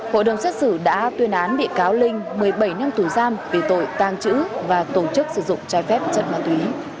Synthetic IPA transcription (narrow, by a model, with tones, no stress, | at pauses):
ho̰˧˨ɗə˨˩wŋ͡mst̚sɨ˧˩ɗa̰ː˧˥t̪wi˧˩ənʔaː˨˦nɗḭ˧˨ənkaː˨˦wlï˧ŋ̟mɨ˨˩əjɓə˧˩jna˧mt̪u˧˩zaː˧mvi˨˩t̪o̰˧˨jt̪aː˧˩ŋt͡ɕɨ̰˧˥vaː˨˩t̪o˧˩t͡ɕɨ˦˥k̚sɨ˧˩zʊ̰˧˨ŋ͡mt͡ɕɔː˧˦jfɛ˦˥p̚t͡ɕə̰˧˨nmaː˨˩t̪wi˨˦